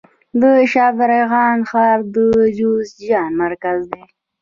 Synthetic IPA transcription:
d̪əʃɑbɪɾeɣɑnxɑːɾd̪əd͡ʒusd͡ʒɑnmaɾkazd̪e

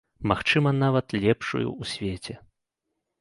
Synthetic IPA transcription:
maxt͡ʂɨmɐnavɐt̪lʲɛpʂṵjṵusʲvʲɛt͡sʲɛ

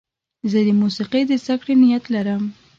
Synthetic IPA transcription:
zəd̪əmusiqed̪əzd̪akɽenɪjat̪laɾəm

